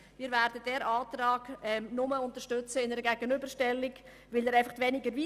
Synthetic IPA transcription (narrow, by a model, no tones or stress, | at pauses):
miːɾvæːɾdəd̥ɛːɾɑːtrɑːɡ̥ɛmnʊməʊntəɾʃtʏt͡səɪnəɾəɡɛɡənʏbərʃtɛlːɪɡ̥ | vɪlɛɾaɪfɑχtvɛnɪɡəɾvi